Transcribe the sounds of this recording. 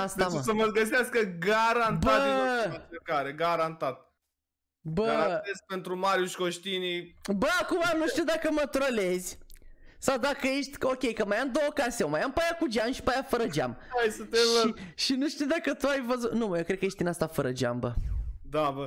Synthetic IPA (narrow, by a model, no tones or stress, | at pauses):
ast̪asəməɡəs̬easkəɡaɾanbəaaekaɾeɡaɾant̪at̪̚ | bəaɾat̪es̚pe̞nt̪ɾumaɾjuʃkoʃt̪inibəakumanuʃt̪ʲiwd̪akəmət̪ɾole̞zʲsawd̪akəje̞ʃt̪ʲo̞kʲe̞jkəmajamd̪owəkasewmajampajakud͡ʒamʃi̥pajafəɾəd͡ʒa̰majsət̪eiʃinuʃt̪ʲiud̪akət̪uajvəzut̪numajeokɾekəje̞ʃt̪inast̪afəɾəd͡ʒa̰mbə̰d̪abə